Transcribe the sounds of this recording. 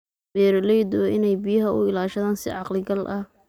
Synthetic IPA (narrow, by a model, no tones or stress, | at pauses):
bɛːɾlɛjd̪ɔʔɪ̰nɛjbijɐɦɐʔʊ̰ɪlaːʃɐðaːnsɪ̰ʕɑqlɪɡɐlʔɐh